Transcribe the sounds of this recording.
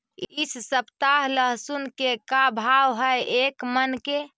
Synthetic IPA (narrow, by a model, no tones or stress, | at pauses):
issəpt̪aɦləɦsunkekabʱawɦəjekmənke